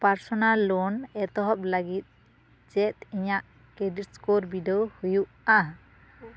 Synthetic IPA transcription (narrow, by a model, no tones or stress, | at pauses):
paɾsɔnalːɔnɛt̪ɔɦɔp̚laɡit̪̚ | d͡ʒɛt̪̚iɲaʔ | keɖiʈskoɾbidɔwhujuʔa